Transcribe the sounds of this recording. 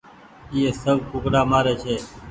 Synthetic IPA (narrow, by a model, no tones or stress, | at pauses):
iːeːsəbkʊːkɽaːmaːɾeːt͡ʃʰeː